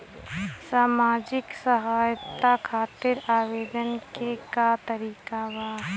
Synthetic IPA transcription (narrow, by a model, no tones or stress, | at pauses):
saːmaːd͡ʒɪksəɦaːjt̪akʰaːt̪ɪɾaːʋeːd̪ənkekat̪əɾiːkawaː